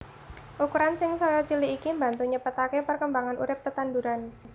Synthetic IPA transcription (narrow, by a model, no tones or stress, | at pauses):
ʔukuɾansɪŋsɔjɔt͡ʃiliːkimbant̪uɲəpət̪akepərkəmbaŋanʔṵɾɪp̚kət̪anduɾan